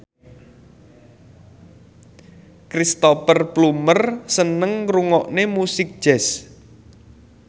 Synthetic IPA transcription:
kɾist̪ɔpərplumərsənəŋɾuŋɔʔnemusɪk̚d̥ʒ̥ɛs

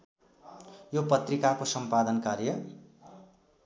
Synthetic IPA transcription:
jopʌt̪rikakosʌmpad̪ʌnkarjʌ

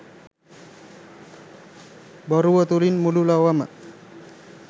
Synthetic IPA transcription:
bɔɾuwət̪uɾinmululawama̰

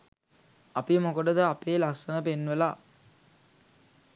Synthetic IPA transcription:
ɐpimokəɖəd̪əapeːlasənəpenːʋəla

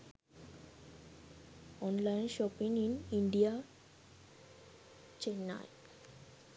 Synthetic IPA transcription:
ɔnlajnʃɔpiŋiniɳɖia | t͡ɕena̰j

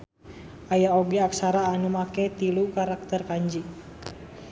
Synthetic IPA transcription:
ʔajaoɡɛaksaɾaːnumakɛt̪ilukaɾak̚t̪ərkaɲd͡ʒi

